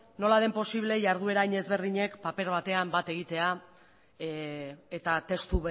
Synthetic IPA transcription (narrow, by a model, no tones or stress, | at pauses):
no̞lað̞e̞mpo̞siβ̞le̞ʝaɾð̞ue̞ɾaiɲe̞zβe̞ɾðiɲe̞kpape̞ɾβ̞at̪e̞ambat̪e̞ɣ̞it̪e̞a | et̪at̪e̞st̪u